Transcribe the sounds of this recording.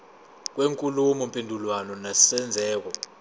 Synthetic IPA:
k̬weŋkʼulumɔmpʼendʱulwanɔnasɛnd͡zʱɛːk̬ɔ

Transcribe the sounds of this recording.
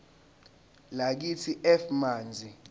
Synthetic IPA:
lak̬itʰiʔɛfmaːnd͡zʱi

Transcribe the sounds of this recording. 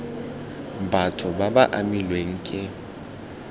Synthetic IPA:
batʰɔbabaʔamilweŋ̩ːkʼɪ

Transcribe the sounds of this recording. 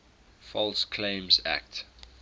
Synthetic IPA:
fɔlskʰlẽɪ̃mzæ̰k̚t

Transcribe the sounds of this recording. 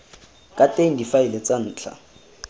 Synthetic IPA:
kʼatʼeŋ̩difaɪlet͡san̩ːt͡ɬʰa̰

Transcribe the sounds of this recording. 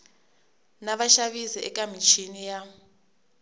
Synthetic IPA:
naβaʃaβiziɛ̰kʼamit͡ʃʰinija

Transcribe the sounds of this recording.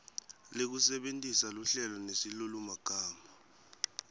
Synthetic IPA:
lek̬usɛɓentʼisaluɬɛlɔnesilulumaɡ̥ʱaːma

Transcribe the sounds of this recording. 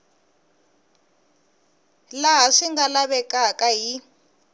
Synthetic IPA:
laɦaʂiŋɡalaβɛkʼakʼaɦi

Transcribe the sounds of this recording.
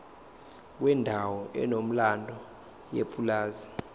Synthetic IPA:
k̬wɛndʱawɔʔɛ̰nom̩landʱɔ | jepʰʼulaːzi

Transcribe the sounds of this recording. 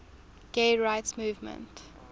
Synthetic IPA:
ɡ̥eɪɹaɪtsmuːvmə̰̃nt

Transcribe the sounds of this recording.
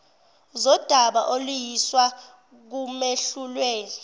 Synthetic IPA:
zɔd̥ʱaɓaʔolujiswa | k̬umeɬulweːni

